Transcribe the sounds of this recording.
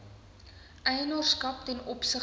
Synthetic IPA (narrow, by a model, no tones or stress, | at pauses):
ʔɛjənɑrskɐptɛnɔpsə